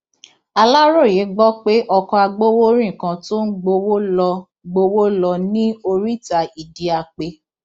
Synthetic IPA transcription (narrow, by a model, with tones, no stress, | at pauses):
a˧la˦ɾo˦˨je˨˦ɡ͡bɔ˦k͡pe˦ʔɔ˧kɔ˧a˧ɡ͡bo˦wo˦ɾĩ˦˨kã˧to˦n̩˦ɡ͡bo˧wo˦lɔ˧ | ɡ͡bo˧wo˦lɔ˧nĩ˦o˧ɾi˦˨ta˧i˨di˨a˧˨k͡pe˧